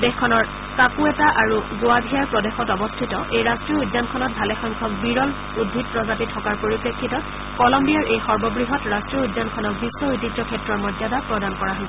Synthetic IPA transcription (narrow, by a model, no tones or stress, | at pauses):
dexkʰɔnɔɹ | sakuɛtaʔaɹuɡoabʱijaɹpɹɔdexɔtɔbɔstʰitɔʔejɹastɹiɔudnankʰɔnɔt̚bʱalɛxɔŋkʰɔk̚biɹɔl | udʱːit̚pɹɔzapitʰɔkaɹpoɹipɹekʰːitɔ | kɔlɔmbijaɹʔejxɔɹbɔbɹiɦɔtɹastɹiɔujdːankʰɔnɔk̚bisːɔujtitɔkʰɛtɹɔɹmɔdzadapɹɔdankɔɹaɦɔl